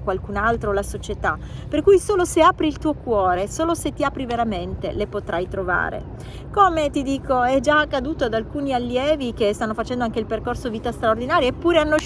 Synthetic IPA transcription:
kwalkunalt̪ɾolasot͡ʃet̪a̰perkujsoːloseaːpɾiːlt̪uːokwɔːɾesoːloset̪ːiapɾiveɾament̪ḛlepot̪ɾʔajt̪ɾova̰ːɾḛ | komet̪id̪iːkʰoɛd͡ʒakːad̪uːt̪oad̪alkuːnialːjɛːvikest̪anːofat͡ʃɛnd̪oaŋk̟eilperkorsoviːt̪ast̪ɾaord̪inaːɾjaepːuːɾeanːo

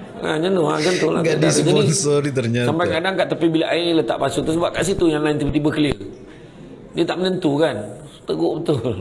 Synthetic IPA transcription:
a̰ɲand̪oad͡ʒənt̪ula̰ʔɡadisd͡ʒapdɔinsɔit̪ərɲasampajkadaŋkaʔt̪apibilaʔailət̪aʔpasʊkt̪əsəbaʔkaʔsit̪ujaŋlaɪnt̪ibət̪ibəkəliər | diət̪aʔmənənt̪ukan | t̪əɡoʔbət̪ʊl

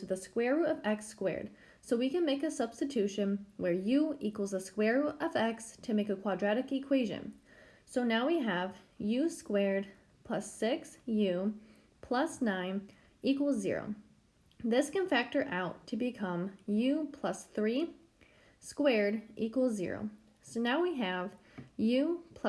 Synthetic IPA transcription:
ðɨskwɛɹuʌvɛkskwɛ̰ɹd̥̚ | soʊwikɨ̃nmeɪkɨsʌb̥stɨtʰʉʃɨ̃nwə˞jʉʔikwl̩ˠzəskwɛɹuʔʌvɛkstʰɨmeɪkɨkʰw̥ɑdɹæɾɨkɨkʰw̥eɪʒɨ̰̃nsoʊnaʊwiɨvjʉskwɛɹd̚ | pʰl̥ʌsɪksjʉ | pʰl̥ʌsnãɪ̃n | ʔikwl̩ˠzɪ̰ɹo̰ʊ | ðɪskɨ̃nfæk̚tə˞ʔaʊtʰɨbɨkʰʌ̃mjʉpʰl̥ʌsθɹi | skwɛɹɾʔikwl̩ˠzɪ̰ɹo̰ʊ | soʊnaʊwiɨv̥ | jʉpʰʌ

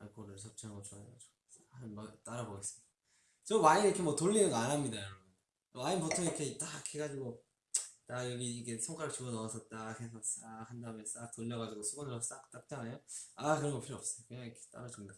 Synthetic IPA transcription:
akɾɯɭsʰʌp̚t͡ɕ͈ʰiɦaŋɡʌt͡ɕoaead͡ʑo̥ | samat͈aɾaboɡes͈ɯ̥mɲid̥aa | t͡ɕʌmainiikʰemwʌtoʎːinɯnɡʌanɦamɲidajʌɾʌbun | mainpotʰoŋiɾkʰet͈akʰeɡad͡ʑiɡo | tajʌɡiikʰe̞sʰʌŋk͈ʰaɾɯɭt͡ɕuʌnʌas͈ʰʌt̚t͈akʰesʰʌs͈ahandames͈ak̚toʎːʌɣad͡ʑiɡosʰuɡʌnɯɾʌsʰʌs͈akt͈ak̚t͈anejoakɯɾʌŋɡʌpʰiɾoʌp̚s͈ʌjokeɲaŋikʰe̥t͈a̰ɾad͡ʑumda

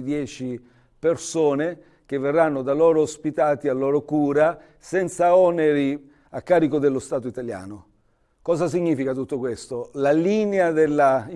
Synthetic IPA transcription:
d̪jɛːt͡ʃi | persoːne | k̟evːerːanːʊd̪alɔːɾoːspit̪aːt̪ialːɔːɾokuːɾa | sɛnt̪saɔneɾi | akːaːɾikod̪elːost̪aːt̪oit̪alja̰ːno | kɔːzas̬iɲːiːfikat̪ut̪ːokwest̪olalinead̪elːa

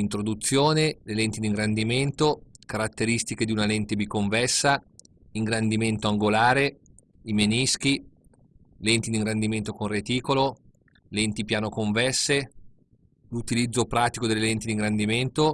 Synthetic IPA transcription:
int̪ɾod̪ut̪sːjoːnelelɛnt̪id̪iŋɡɾand̪iment̪okaɾat̪ːeɾist̪iked̪iunalɛnt̪ebikːoɱvɛsːa | iŋɡɾand̪iment̪oaŋɡolaːɾe | imenisk̟i | lɛnt̪id̪iŋɡɾand̪iment̪okonret̪iːkolo | lɛnt̪ipjaːnokoɱvɛsːe | lut̪ilid̪zːopɾaːt̪ikod̪elːelɛnt̪id̪iŋɡɾand̪iment̪o

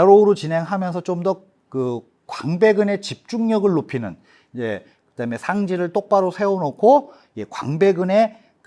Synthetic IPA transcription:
ʌɾoɾot͡ɕinɦe̞ŋɦamjʌns̬ʰʌt͡ɕomdʌ | kɯ | kwaŋbe̞ɡɯne̞t͡ɕip̚t͡ɕ͈uŋɲʌɡɯɭːopʰinɯn | id͡ʑḛ | kɯd̥ame̞sʰaŋd͡ʑiɾɯɭt͈ok̚p͈aɾosʰe̞onokʰo | je̞kwa̰ŋbe̞ɡɯne̞ | k

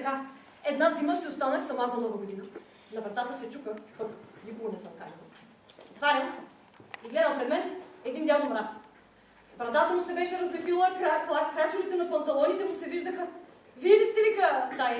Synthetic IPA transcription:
ɡa | ɛd̪naziməsiʊst̪anəxsɐmazɐmnoɡoɡod̪inɐ | nɐvɾɐt̪at̪əsɛt͡ʃukəpɐknikoɡonɛsəmka̰ɾʲil̰ˠ | t̪vaɾɛn | iɡlɛd̪əmpɾɛd̪mɛnɛd̪ind̪ʲjaɡonɾas | vɾɐd̪at̪əmʊsɛbɛʃɛɾɐzlɛpilˠəkɾakˠakɾat͡ʃʊlit̪ɛnɐpɐnt̪ɐlˠɔnit̪ɛmʊsɛviʒd̪əxɐ | viɛd̪ɛst̪ɛvikət̪a

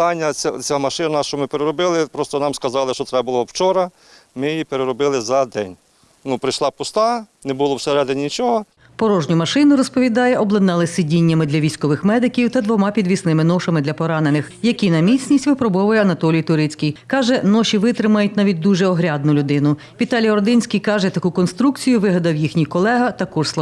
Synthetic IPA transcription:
ɑnʲːɐt͡sʲamɐʃɪnɐnaʃt͡ʃɔmɪpeɾeɾɔbɪlˠɪpɾɔst̪ɔnɑmskɐzɑlˠɪʃt͡ʃɔt̪ɾɛbbʊlˠɔwt͡ʃɔɾɐ | mɪjipeɾeɾɔbɪlˠɪzɐd̪ɛnʲ | nupɾɪjʃlˠɑpʊst̪ɑnɛbʊlˠɔwseɾɛd̪ɪnʲnʲit͡ʃɔɦɔ | pɔɾɔʒnʲʊmɐʃɪnʊɾɔspɔʋʲid̪ɑjɛʔɔblˠɐd̪nɛlˠɪsɪdʲinʲːɐmɪd̪lʲɐʋʲijsʲkɔʋɪxmɛd̪ɪkʲiwt̪ɐd̪ʋɔmɑpʲid̪ʋʲisnɪmɪnɔʃɐmɪd̪lʲɐpɔɾɑnenɪxjɐkʲinɐmʲit͡sʲnʲisʲtʲʋɪpɾɔbɔʋɐjɛɐnɐt̪ɔlʲijt̪ʊɾɪt͡sʲkʲijkɑʒɛnɔʃʲiʋɪt̪ɾɪmɐjʊt̚ʲnɑʋʲit̚ʲd̪uʒɛɔɦɾʲad̪̚nʊlʲʊd̪ɪnʊ | ʋʲit̪ɑlʲijɔrd̪ɪnʲsʲkʲijkɑʒɛt̪ɐkukɔnst̪ɾukt͡sʲijʊʋɪɦɐd̪ɐwjixnʲijkɔlˠɛɦɐt̪ɐkɔslˠɐ

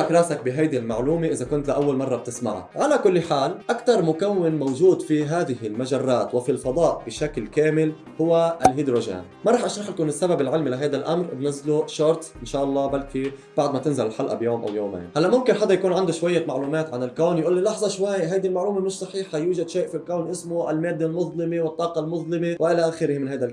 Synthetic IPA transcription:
akɾˤɑːsak̚bɪɦajd̪ilmaʕluːmeʔɪzakʊnt̪aʔawːalmɑrˤːɑb̚t̪ɪsma̰ʕa̰ʕalakʊlːħaːlʔakt̪ɑɾˤmʊkawːɪnmowʒuːd̪fiɦaːd̪ɪɦɪlmaʒarˤːaːt̪wɪfilfɑd̪ˤɑːʔb̥ɪʃaklkaːmɪl | hʊwaʔlɦid̪ɾoʒḛːn | maɾˤɑːħʔɑʃɾˤɑħkʊnɪsːababɪlʕɪlmilaɦajd̪alʔamɾbnazːluʃɑɾˤt̪ˤʔɪnʃaːʔɑlˤːɑːbalkib̥aʕd̪mat̪ɪnzalɪlħalʔa̰bjoːmʔa̰wjoːmḛːnhalːaʔmʊmkɪnħɑd̪ˤːɑjakuːnʕand̪uʃwajːamaʕluːmaːt̪ʕanɪlkawnjʔuːlːilɑħzˤɑʃwajɦajd̪ilmaʕluːmamɪʃsˤɑħiːħajuːʒad̪ʃeːʔfilkawnʔɪsmʊʔɪlmeːd̪ːelmʊðˤlɪmewɪt̪ˤːɑːqɑlmʊðˤlɪmewɪʔɪlaʔaːxɪɾɪhmɪnhajd̪al

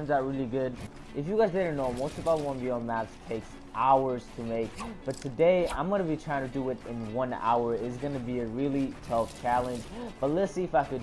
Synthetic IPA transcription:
mzðət̚ɹɪlˠiɡʊd | ʔɨfjɨɡaɪzbɛɪɾə̃˞noʊmoʊstʌvaʊtwʌ̃nviəmæpstʰeɪks | ʔaʊə˞z̥tʰəmeɪk̚b̥ʌtʰɨdeɪã̰ɪ̃mɡʌnɨbitʰɹ̥aɪɪ̃ŋtʰɨdɨɪɾɪ̃nwʌ̃na̰ʊə˞ɪtsɡʌnɨbiɨɹɪlˠitʰʌft͡ʃʰælˠɨ̃nd͡ʒb̥ʌtˡlɪsiɨfaɪkɨ

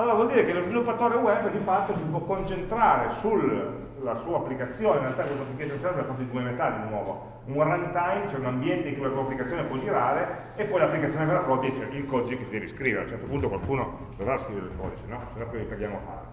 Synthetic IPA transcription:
aloːɾavwɔld̪iːɾekelozvilupːat̪oːɾewɛbːd̪ifat̪ːosipwɔkːont͡ʃent̪ɾaːɾesulː | asuːaːpːlikat̪sːjoːneinrealt̪akeɔsikɛseɾsɛnmpɾeafɔt̪od̪iwɛmet̪alːd̪inwɔːvo̰ | uŋwarant̪ajmt͡ʃoɛunambjɛnt̪eiŋkulasuːapːlikat̪sːoːnepɔd͡ʒiɾaːle | epːɔjlapːlikat̪sːjoːnepelakɔt̪jit͡ʃɛʔilkɔd̪id͡ʒikːesid̪ɛːviskɾiːveɾa̰lt͡ʃɛrt̪opunt̪okwalkuːno | sovaːaskɾiveɾeilkɔ̰d̪it͡ʃenɔsenopːolipeɡjaːmoafa̰ːɾe

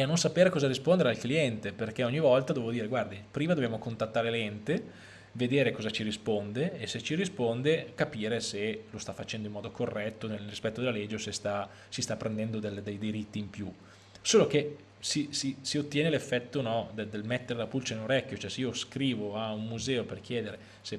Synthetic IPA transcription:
eanːonsapeːɾekɔːzaɾispond̪eɾealkliɛnt̪eperkeɔɲːivɔlt̪ad̪ovevod̪iːɾeɡward̪ipɾiːmad̪objamokont̪at̪ːaːɾelɛnt̪e | ved̪eːɾekɔːzat͡ʃiɾispond̪eeset͡ʃiɾispond̪ekapiːɾeselost̪afːat͡ʃɛnd̪oimːɔːd̪okorːɛt̪ːonelrispɛt̪ːod̪elːaled͡ʒeosest̪a | sist̪apːɾʔend̪ɛnd̪od̪eld̪ejd̪iɾit̪ːiːmpju | soːloke | sisisiot̪ːjɛːnelefːɛt̪ːonɔd̪ed̪elmɛt̪ːeɾelapult͡ʃaneloɾɛkːjot͡ʃoɛseiːoskɾiːvoaumːuzɛːoperk̟jɛːd̪eɾe | se

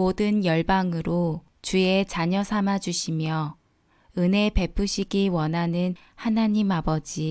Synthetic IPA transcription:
odɯnjʌɭbaŋɯɾo | t͡ɕue̞t͡ɕaɲʌsʰamad͡ʑuɕʰimjʌ | ɯne̞pe̞pʰuɕʰiɡiwʌnɦanɯn | hanaɲimabʌd͡ʑi

